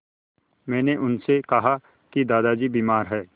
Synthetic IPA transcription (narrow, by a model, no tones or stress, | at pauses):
mɛ̃ːneʔʊnsekɐɦa | kid̪aːd̪ad͡ʒiːbiːmaːɾɦɛː